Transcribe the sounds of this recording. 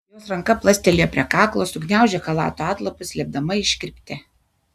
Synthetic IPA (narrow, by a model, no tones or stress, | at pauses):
joːsɾɐŋkɐplˠɐsʲt̪ʲɛlʲɪjoːpʲɾʲɛkɑːklˠoːsʊɡnʲæˑʊʒʲɛkɐlˠɑ̰ːt̪oɑːt̪lˠɐpʊslʲɛb̚d̪ɐmɐɪʃʲkʲɪɾʲpʲt̪ʲe